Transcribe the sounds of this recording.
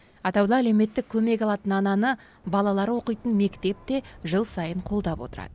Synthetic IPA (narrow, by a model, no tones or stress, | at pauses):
ɑt̪ɑwd̪ɑæleme̞t̪ːɪk̚ʲʰːɵme̞kʲɑlˠɑt̪ənɑnɑnə | bɑlˠɑlˠɑɾwo̞qəjt̪ənme̞kt̪e̞p̚t̪e̞ʒəlˠsɑjəɴqʰo̞lˠd̪ɑpwo̞̰t̪əɾɑ̰d̪ə